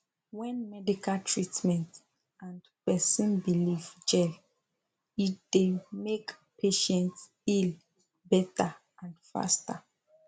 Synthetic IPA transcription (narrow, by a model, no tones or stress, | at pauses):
wɛ̃nmɛdikaltʰɹitmɛ̃nt | ʔãndpɛsɔ̃nbilivd͡ʒɛl | it̚d̥emek | pʰeʃɛ̃nts | il | bɛta | ãndfa̰sta